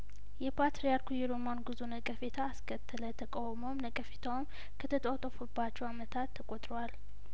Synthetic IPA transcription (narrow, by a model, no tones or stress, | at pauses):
jɛpʰat̪ɾijaɾkʰujɛɾomanɡɨzonəkʼəfet̪ʰaːskʰət̪ʰːələt̪ʰəkʼawmomnəkʼəfet̪ʰawm | kʰət̪ʰət̪ʼowt̪ʼəfubːat͡ʃːɛwamət̪ʰat̪ʰːəkʼot̪ʼɾowal